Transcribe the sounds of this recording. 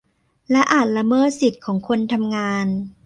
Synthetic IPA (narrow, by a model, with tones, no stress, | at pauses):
lɛ˦˥ʔaː˨˩t̪̚la˧mɤː˥˩t̪̚si˨˩t̪̚kʰɔː˩˦ŋkʰo˧nt̪ʰa˧mŋaː˧n